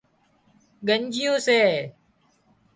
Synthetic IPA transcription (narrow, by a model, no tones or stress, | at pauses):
ɡəɲd͡ʒɪjõːseː